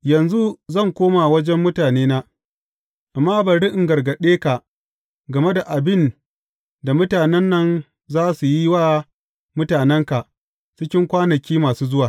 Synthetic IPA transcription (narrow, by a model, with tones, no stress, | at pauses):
jɐ˨nzu˦zɐ˦˨ŋkʷoː˦ma˨wɐ˦d͡ʒɛ˦mːʊ˦taː˨neː˦naː˦ | ʔa˨mːaː˦bɐ˨ɽɪ˦ʔɪ˨ŋɡɐ˨rɡɐ˨ɗeː˦ka˨ | ɡɐ˨me˦da˨ʔa˨bɪ˦n | da˨mʊ˦taː˨nɛ˦nːɐ˦n | zaː˦su˨ji˦waː˦ | mʊ˦taː˨nɛ˦ŋka˨ʔ | t͡ʃɪ˦kʲɪ˦ŋkʷaː˦nɐ˨kʲiː˦maː˨suː˦zʊ˦waː˨